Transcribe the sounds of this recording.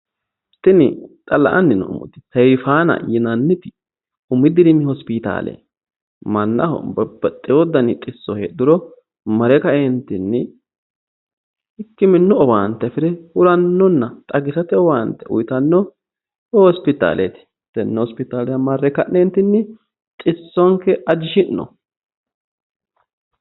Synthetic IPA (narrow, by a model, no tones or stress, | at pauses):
t̪ɪnɪt̪ʼɐlɐ̰ʔɐnːɪnɔ̰mɔ̰t̪ːɪ̥sɛjfaːnɐ̰jɪnɐnːɪt̪ɪ̥ | ʊmːɪd̪ɪɾɪnɪhɔspɪt̪a̰ːlḛ | mɐnːɐ̰hɔ̰bɐbɐt̪ʼːɪwɔd̪ɐnɪk̪ʼɪsːɔheːd̪ɪɾɔ | mɐɾɛkɐɛnt̪ɪnːɪ | ɪkːɪmɪnːɔɔbaːnt̪ːɛfɪɾɛhʊɾɐnːɔnːɐt̪ʼɐɡɪsɐt̪ɪɔwaːnt̪ːɛʔʊ̰jt̪ɐnːɔ | hhɔspɪt̪a̰ːlḛt̪ɪ̥ | d̪̥ɛnːɛhɔspɪt̪aːlɛjɐmɐrːɛkɐʔnɛnt̪ːɪnːɪ | t̪ʼɪsːɔŋkːɛʔɐd͡ʒɪʃɪnnɔ̰